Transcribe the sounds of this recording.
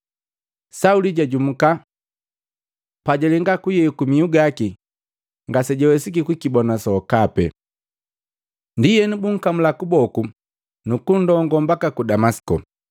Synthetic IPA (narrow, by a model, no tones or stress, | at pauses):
sauliɟaɟum̩ka | paɟɛlɛŋɡakujɛkumiuɡaki | ŋɡasɛɟɔwɛsik̬ikwikibɔnasɔkapɛ̰ | ndijɛnibuŋ̩kamulakubɔku | nukundɔŋɡɔmbakakudamasi̥kɔ̰